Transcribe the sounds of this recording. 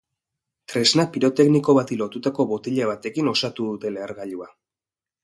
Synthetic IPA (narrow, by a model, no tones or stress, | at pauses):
t̪ɾe̞znapiɾo̞t̪e̞kniko̞βat̪ilo̞t̪ut̪ako̞βot̪iʎaβ̞at̪e̞kino̞sat̪uðut̪e̞leːɾɣaʎua